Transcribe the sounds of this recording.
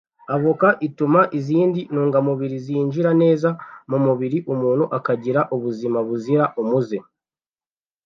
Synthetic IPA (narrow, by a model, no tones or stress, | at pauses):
aβokaʔitumaʔiziːndinuːŋɡamuβiɾiziːnd͡ʒiɾane̞ːzamumuβiɾiʔumuːn̤̥huʔakaɟiɾaʔuβuzimaβuziɾaʔumuze